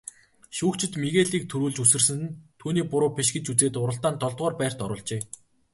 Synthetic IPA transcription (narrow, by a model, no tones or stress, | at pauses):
ʃuːkt͡ɕɪ̆t̪miɣeːɮiːk̚t̪ʰuɾuːɮt͡ɕusɘ̆rsɘ̆nt̪ʰuːniːpʊɾʊːpʰʲeʃɡɘ̆t͡ɕut͡seːt̪ʊɾə̆ɬt̪aːnt̪ɔɮt̪̚ʁɔːrpæːr̥t̪ɔɾʊːɮt͡ɕeː